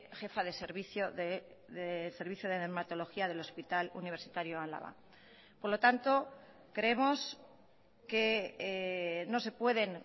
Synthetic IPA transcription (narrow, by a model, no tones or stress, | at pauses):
xe̞faðe̞seɾβiθjoðe | ðese̞ɾβiθjoðeðeɾmat̪o̞lo̞xiaðe̞lo̞spit̪alṵniβ̞e̞ɾsit̪aɾjoala̰βa̰ | po̞ɾlo̞t̪ant̪o̞ | kɾeemo̞s | ke | nose̞pwe̞ðe̞n